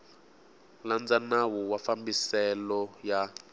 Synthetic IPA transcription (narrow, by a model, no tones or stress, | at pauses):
land͡zanawɔwafambisɛlɔja